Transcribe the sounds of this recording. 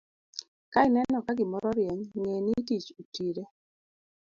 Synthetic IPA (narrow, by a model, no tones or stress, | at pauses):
kaɪnɛnɔkaɡɪmɔɾɔɾjɛɲŋenitit͡ʃutiɾe